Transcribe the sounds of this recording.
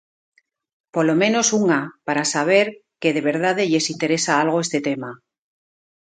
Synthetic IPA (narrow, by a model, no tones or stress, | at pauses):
po̞lo̞mẽ̞no̞suŋapaɾasaβ̞e̞ɾke̞ðe̞β̞e̞ɾð̞aðeʎe̞sint̪e̞ɾe̞saalɣ̞o̞e̞st̪e̞t̪e̞ma